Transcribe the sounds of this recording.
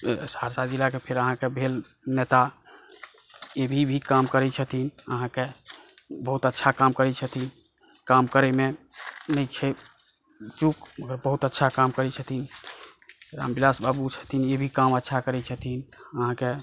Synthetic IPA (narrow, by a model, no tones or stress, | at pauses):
saɾsad͡ʒilakepʰeɾəɦãkebʱelnet̪a | ebʱibʱikamkəɾɛt͡ʃʰət̪inə̰ɦãke | bəɦut̪ətːʃʰakamkəɾɛt͡ʃʰət̪in | kamkəɾɛmenət͡ʃʰɛ | t͡ʃukməɡəɾbəɦut̪ətːʃʰakamkəɾɛt͡ʃʰət̪in | ɾa̰mbilasbabut͡ʃʰə̥t̪ʰinebʱikamətːʃʰakəɾɛt͡ʃʰət̪inəɦãke